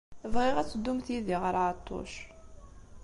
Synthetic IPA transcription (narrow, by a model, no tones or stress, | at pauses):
vʁɪʁæt͡sːəd̪ːumθiðiʁəɾˤʕat̪ˤːo̰ʃ